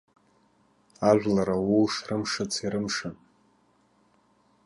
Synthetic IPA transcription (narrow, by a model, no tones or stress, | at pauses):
aʒᶣʷlaɾawuwʂrɨmʂɨt͡sʰiɾɨmʂan